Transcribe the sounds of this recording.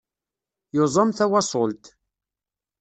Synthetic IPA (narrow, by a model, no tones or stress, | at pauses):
jozˤɑmθæwɑsˤolt̪